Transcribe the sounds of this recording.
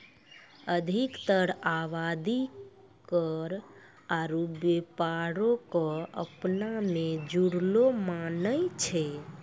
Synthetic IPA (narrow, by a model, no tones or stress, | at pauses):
əd̪ʱikt̪əɾaʋad̪i | kəɾ | aɾubepaɾokɔə̰pnamed͡ʒuɽlomanəjt͡ʃʰɛ